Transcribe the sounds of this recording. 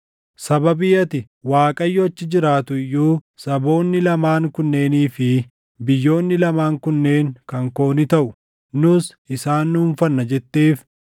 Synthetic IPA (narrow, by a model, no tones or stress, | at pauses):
sɐbɐbɪjɐt̪ɪ | waːkʼɐjːɔɐt͡ʃːɪd͡ʒɪɾaːt̪ʊɪjːuːsɐbo̞ːnːɪlɐmaːŋkʊnːe̞ːniːfɪ | bɪjːo̞ːnːɪlɐmaːŋkʊnːe̞ːŋkɐŋko̞ːnɪt̪ɐʔʊ | nʊs | ɪsaːnːʊhʊnfɐnːɐd͡ʒɛt̪ːe̞ːf